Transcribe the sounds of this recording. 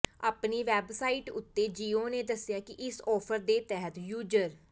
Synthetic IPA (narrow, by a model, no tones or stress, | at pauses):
a̰ːpniːʋɛːbsaːiːʈʊt̪ːeːd͡ʒiːoːneːd̪əsɪjãːkɪʔɪsɔːpʰəɾd̪eːt̪ɛɦət̪juːd͡ʒəɾ